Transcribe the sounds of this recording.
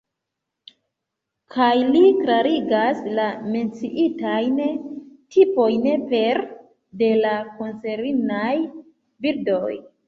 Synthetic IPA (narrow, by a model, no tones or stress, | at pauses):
kʰajliklaɾiɡaslame̞nt͡siʔitajntʰipo̞jnpe̞ɾ | de̞lakonse̞ɾinaj | biɾdo̞j